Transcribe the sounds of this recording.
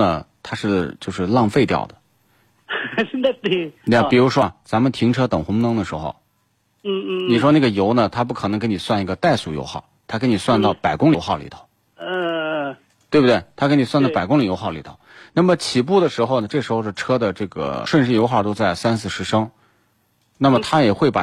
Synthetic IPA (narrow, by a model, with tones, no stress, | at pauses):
ə˧t̪ʰa˥ʂɻ̩˥˧t͡ɕjo˥˧ʊʂɻ̩˥˧lɑ˥˧ŋfe˥˧ɪt̪jɑ̰˥˩ʊd̪ə˩ | e˥˧˥pi˨˩ɻu˧˥ʂwɔ˥t͡sa˧˥mə˨nt̪ʰi˧˥ŋʈ͡ʂʰɤ˥t̪ɤ˨˩ŋxʊ˧˥ŋnɤ˧˥ŋd̪ə˨ʂɻ̩˧˥xo̰˧ʊ˥˧˥ | ni˨˩ʂwɔ˥na˥˩ɡə˩jo˧˥ʊnə˨t̪ʰa˥p̬u˥˩kʰɤ˨˩ɤ˧˥ŋke˧˥ni˨˩swa˥˧ni˥˩ɡə˧t̪a˥˧ɪsu˥˩jo̰˧˥ʊxɑ̰˥˩t̪ʰa˥kni˨˩swa˥˧nt̪ɑ˥˩ʊpa˨˩ɪkʊ˥ŋli˧˥ʊxɑ˥˩lḭ˧˩t̪ʰo̥˧˦ʊ˥˧ | t̪we˥˩bu˩t̪we˥˩ɪt̪ʰa˥ke˥ni˨˩swa˥˧nt̪pa˨˩ɪkʊ˥ŋli˨˩jo˧˥ʊxɑ˥˩ʊlḭ˨˧˩t̪ʰo̰˨˧˩ʊna˥˩mə˩t͡ɕʰi˨˩pu˥˩d̪ə˩ʂɻ̩˧˥xo˥˧ʊnə˩ʈ͡ʂɤ˥˩ʂɻ̩˧˥xo˧ʂ̩˥˩ʈ͡ʂʰɤ˥d̪ə˨ʈ͡ʂɤ˥˩ɡə̰˩ʂwə˥˧nʂɻ̩˥˩jo˧˥xwɑ˥˩t̪o˥ʊt͡sa˥˩ɪsa˥nt͡sʰɹ̩˥˩ʂɻ̩˧˥ʂɤ˥ŋ | na˥˩mə˩t̪ʰa˥jɛ˨˩xwe˥˩ɪpa˨˩